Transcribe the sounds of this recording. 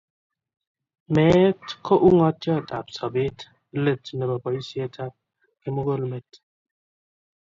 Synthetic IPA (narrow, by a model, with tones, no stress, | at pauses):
mɛː˨˦tkʰɔ˦ʔu˦ŋɔ˦t̚t͡ʃɔ˦˨ta˨p̚sɔ˨be˦t | le˦˨tnə˨bɔ˨bɔ˨i˦si˦a˦tʰa˦p̚ | ke˦mo˦ɡo˦lme˨t